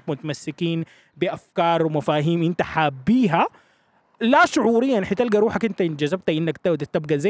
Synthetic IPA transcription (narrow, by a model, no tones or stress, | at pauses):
kmʊt̪amasːɪkiːn | biʔafkɑːɾˤwmafaːɦiːmʔint̪aħaːbːiːɦa | laʃʊʕuːɾijːanħit̪alɡaɾuːħakʔint̪aɪnd͡ʒazab̚t̪aʔinːakt̪ad̪at̪abɡaza